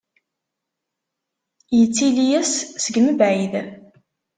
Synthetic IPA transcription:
jət͡sːilijæssəɡməbʕið

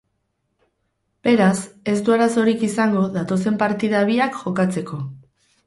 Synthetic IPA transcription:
b̥e̞ɾase̞zd̪uaɾaso̞ɾikisaŋɡo̞ð̞at̪o̞se̞mpaɾt̪iðaβ̞iakʝo̞kat͡se̞kʰo̞

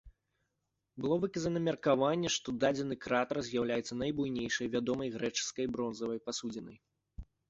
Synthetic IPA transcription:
bɨlˠɔvɨkɐzɐnɐmʲɛrkavanʲːɛʂt̪ɔd̪ad͡zʲɛnɨkɾat̪ɐrzʲjawlʲajɛt̪sɐnɐjbujnʲejʂɐjvʲad̪ɔmɐjɣɾɛt͡ʂɨ̥skɐjbɾɔnzɐvɐjpasud͡zʲɪnɐj

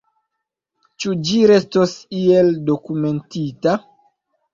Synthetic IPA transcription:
t͡ʃud͡ʒiɾe̞stosie̞ldokume̞ntita

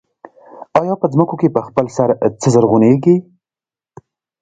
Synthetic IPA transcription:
ɑjɑpəd͡zməkokepəxpəlsaɾt͡səzəɾɣuneɡi

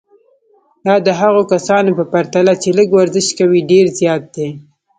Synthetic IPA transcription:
d̪ɑd̪əɦaɣokasɑnopəpaɾt̪alat͡ʃeləɡwaɾzɪʃkawiɖeɾzjɑt̪̚d̪e

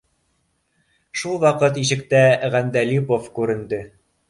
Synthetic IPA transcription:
ʃulˠwɑqɤt̪iʃɘ̆kt̪æʁænd̪ælipofkʉɾɘ̆nd̪ɘ

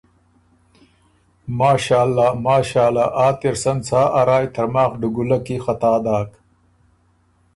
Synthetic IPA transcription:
maːɕaːlːaːmaːɕaːlaʔaːt̪iɾsɐnt͡sʰaːʔaɾaːjt̪ɐɾmaːxɖuɡulɐkixɐt̪aːd̪aːk

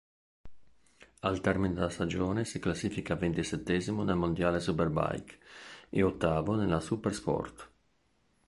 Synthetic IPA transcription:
alt̪ɛrmined̪elast̪ad͡ʒoːnesiklasːiːfikavent̪iset̪ːɛːzimonelmond̪jaːlesuperba̰jkḛot̪ːaːvonelasuperspɔ̰rt̪

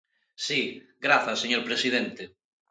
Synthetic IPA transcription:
siɡɾaθaseɲoɾpɾesið̞ent̪e

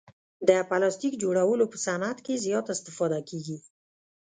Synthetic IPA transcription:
d̪əpalɑst̪ikd͡ʒoɽawəlopəsanat̪kezjɑt̪ɪst̪ɪfɑd̪akeɡi

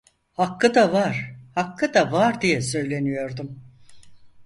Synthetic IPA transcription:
hakʰːɯd̪avaɾ̥hakʰːɯd̪avaɾd̪ijɛsø̞jlʲe̞nyjo̞ɾd̪um

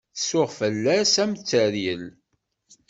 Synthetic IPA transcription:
θəsʊʁfəlːæsæmt͡sːəɾjəl

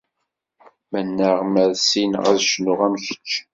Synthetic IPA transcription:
mənːəʁməɾsinʁæ̰ðʃnʊʁæmçə̥t͡ʃː

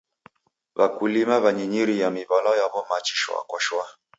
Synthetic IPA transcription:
βa̰kulimaβaɲiɲiɾijamiβalɔjaβɔmat͡ʃiʃwa̰kwaʃwa

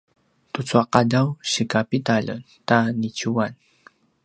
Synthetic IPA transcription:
t̪ʊt͡swaqɑdawʃikapit̪aʎa̰n | t̪anit͡ʃuwan

